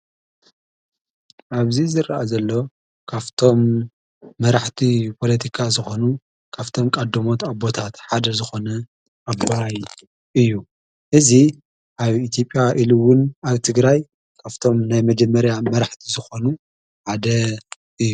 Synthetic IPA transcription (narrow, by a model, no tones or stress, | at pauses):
ʔaβzizɨɾʔazɐlːo̞ | kʰaft̪ʰo̞mː | ɐɾaħt̪ʰipʰo̞lɐt̪ʰikʰazɨxonu | kʰaβt̪ʰo̞mkʼɐd̪ɐmo̞t̪abo̞t̪ʰat̪ħad̪ɐzɨxo̞nɐ | ʔaboaj | ʔɨjːu | ʔɨzi | ʔaβit̪ʰjo̞pʼːjaʔiluwʊnaβt̪ʰɨɡɾaj | kʰaft̪ʰo̞mnajmɐd͡ʒɐmːɐɾjamɐɾaħt̪ʰizɨxo̞nu | ħad̪ɐ | ʔɨjːu